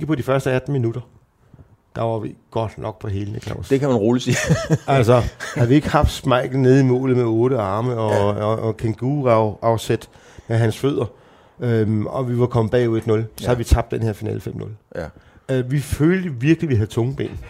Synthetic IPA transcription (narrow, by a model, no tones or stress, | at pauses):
eɡ̥əpʰɒ̽d̥ifɶɐsd̥əæd̥n̩minud̥ɐ | d̥ɑ̈ʋɑ̈ʋiɡ̥ɒ̽d̥nɒ̽ɡ̥̚pʰɒ̽ɦe̝ːlənekʰlɑ̰ʊ̰sd̥ekʰæmænʁoːləsiælsɒhæðˠʋie̝ɡ̥əhɑ̈fd̥smɑ̈ɪ̰ɡ̥n̩ne̝ð̞ˠimɔ̰̽ːlð̩ˠmeɔ̽ːɾ̥əɑ̈ːməɒkʰeŋɡ̥uːʊɑ̈ʊsed̥ | meɦænsføð̞̰ˠɐ | øɒʋiʋɑkʰɒ̽məb̥ɛ̰ːuð̩ˠed̥nɔ̽lsɒ̽hæʋit͡sʰɑ̈b̥̚d̥enhe̝ɐfinɛ̰ːlfem̰nɔ̽l | ʋiføːld̥əʋiɐɡ̥lʋiɦæð̞̩ˠt͡sʰɔ̽ŋəb̥e̝̰ːn